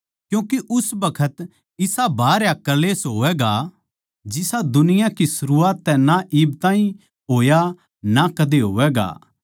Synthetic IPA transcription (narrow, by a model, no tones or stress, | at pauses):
kjũːkeʔʊsbɐkʰət̪ | ɪsabaːɾjakɐleːsɦoːʋɛːɡa | d͡ʒɪsad̪ʊnɪjakisʊɾuaːt̪ːɛ̃naʔɪb̚t̪ãːĩ | ɦoːja | nakɐd̪eɦo̰ːʋɛːɡa̰ː